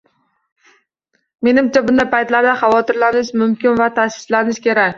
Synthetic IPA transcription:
me̞nɪmt͡ʃʰabʊnd̪ajpajt̪laɾd̪aχɑvɒt̪ʰɪɾlanɪʃmʊmkʲɪnvat̪ʰasɪ̥slanɪʃkʲe̞ɾakʲ

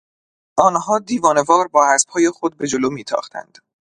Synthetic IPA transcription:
ʔɒːnhɒːd̪iːvɒːne̞vɒːɾbɒːhæsb̥hɒːjexod̪̚be̞d͡ʒoloːmiːt̪ʰɒ̰ːχt̪ʰæ̰nd̪̥

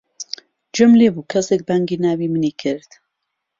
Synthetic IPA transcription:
d͡ʒɨmlebuːkʰɐsek̚baŋɡiːnaːwimɨniːkʰɨɾd̪

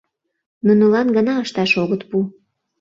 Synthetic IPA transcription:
nunəlɑnɡənɑəʃt̪ɑʃoɣət̪pu

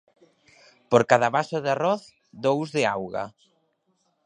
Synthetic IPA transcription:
poɾkaðaβasʊðearɔθ | d̪owzðɪawɣa̰

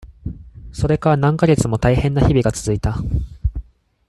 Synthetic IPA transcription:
so̞ɾe̞kaɾanãŋkaɡe̞t͡sɨmo̞t̪aihẽ̞nːaçibʲiɡat͡sɨzɨit̪a

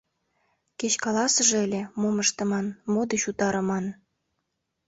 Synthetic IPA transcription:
ket͡ɕkɑlɑsə̆ʒĕelʲĕmoməʃt̪ɤ̆mɑnmod̪et͡ɕut̪ɑɾɤ̆mɑn

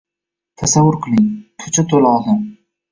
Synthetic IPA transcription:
t̪ʰasavːʊɾqʰɨlˠɪŋt̪ʰʊ̥t͡ʃʰat̪ʰolɒlˠd̪ɪm

